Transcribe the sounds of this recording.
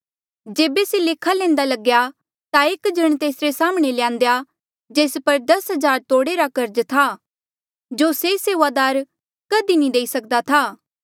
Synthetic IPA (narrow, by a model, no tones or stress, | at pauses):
d͡ʒeːbeseleːkʰalẽːnd̪alɐɡja | t̪aɪkd͡ʒəɽ̃t̪eːsɾesaːmɽ̃elɪjãːnd̪eja | d͡ʒeːspɐɾd̪ɐsɦəzaːɾt̪oːɽeɾakɐɾd͡ʒt̪ʰaː | d͡ʒoːseseːʋad̪aːɾ | kəd̪inĩd̪eːisɐk̚d̪at̪ʰaː